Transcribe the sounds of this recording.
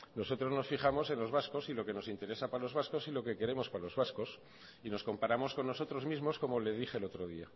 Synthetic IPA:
no̞so̞t̪ɾo̞zno̞sfixamo̞se̞nlo̞zβasko̞silo̞ke̞no̞sint̪e̞ɾe̞sapalo̞zβasko̞silo̞ke̞ke̞ɾemo̞spalo̞zβasko̞s | ino̞sko̞mpaɾamo̞sko̞nːo̞so̞t̪ɾo̞zmizmo̞sko̞mo̞le̞zðixeːlo̞t̪ɾoðia

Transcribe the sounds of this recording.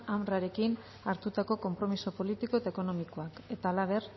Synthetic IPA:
amraɾe̞kin | aɾt̪ut̪ako̞ko̞mpɾo̞misopo̞lit̪iko̞e̞t̪aeko̞no̞mikoake̞t̪aːlaβ̞e̞r

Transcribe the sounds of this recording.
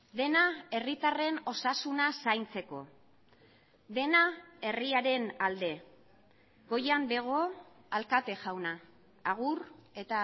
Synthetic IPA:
ðe̞nae̞rit̪are̞no̞sasunasajnt͡se̞ko̞̰ | ðe̞nae̞riaɾe̞nald̪e̞ | ɡo̞jambe̞ɣ̞o̞alkat̪e̞ʝawnaː | ɣ̞ure̞t̪a

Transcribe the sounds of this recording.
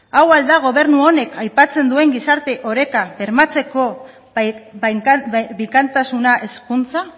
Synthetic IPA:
awald̪aɣ̞o̞β̞e̞ɾnuo̞ne̞kajpat͡se̞nd̪ue̞ŋɡisaɾt̪e̞ʔo̞ɾe̞kaβe̞ɾmat͡se̞ko̞ | βikant̪asunaʔe̞skunt͡sa

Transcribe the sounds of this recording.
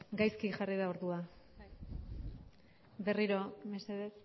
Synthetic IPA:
ɡajskiʝariðao̞ɾðua | be̞riɾo̞meseðes

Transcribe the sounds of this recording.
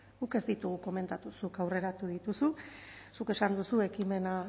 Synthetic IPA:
ɡuke̞zd̪it̪uɣ̞uko̞me̞nt̪at̪usukawre̞ɾat̪uð̞it̪ususuke̞sand̪usue̞kime̞na

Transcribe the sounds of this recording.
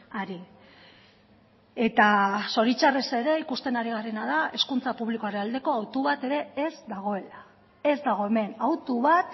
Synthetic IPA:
aɾi | e̞t̪aso̞ɾit͡ʃarese̞ɾe̞ikust̪e̞naɾiɣ̞are̞nað̞ae̞skunt͡sapuβliko̞aɾenald̪e̞ko̞awt̪uβat̪e̞ɾe̞ezd̪aɣ̞o̞e̞la | e̞zd̪aɣ̞o̞e̞me̞nawt̪uβat̪

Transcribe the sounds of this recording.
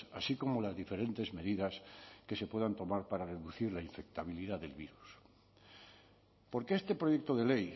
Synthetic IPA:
asiko̞mo̞lazðife̞ɾe̞nt̪e̞zme̞ðiðaske̞se̞pwe̞ðant̪o̞maɾpaɾare̞ðuθiɾlaiɱfe̞k̚t̪aβ̞iliðaðe̞lβiɾus | po̞ɾkeest̪e̞pɾo̞ʝe̞k̚t̪o̞ðe̞le̞j

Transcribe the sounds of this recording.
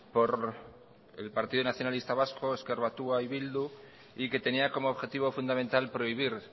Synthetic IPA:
po̞ɾ | ḛlpaɾt̪iðunaθjo̞nalist̪aβaskoeskeɾβat̪uaiβild̪u | ike̞t̪e̞niako̞moːβxe̞t̪iβo̞fund̪amẽ̞nt̪alpɾo̞iβ̞iɾ

